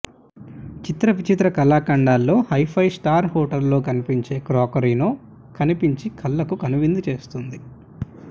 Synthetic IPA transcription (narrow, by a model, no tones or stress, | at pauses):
t͡ʃit̪ɾɐʋit͡ʃit̪ɾɐkɐlaːkɐɳɖaːlːo̞ːhɐjpʰɐjsʈaːɾɦɔːʈɐllo̞ːkɐnipiɲt͡ʃe̞ːkɾɔːkɐɾiːnoː | kɐnipiɲt͡ʃikʰɐlːɐkukɐnuʋind̪ut͡ʃe̞ːst̪und̪i